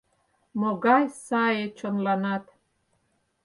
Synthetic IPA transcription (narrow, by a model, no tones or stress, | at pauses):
moɣɑjsɑjet͡ɕonlɑnɑt̪